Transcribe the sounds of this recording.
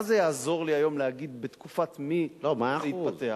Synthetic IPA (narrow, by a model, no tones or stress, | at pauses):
zejaːzo̞ʁliajo̞mlehaɡid̪bet̪kufat̪milomaaeit̪patea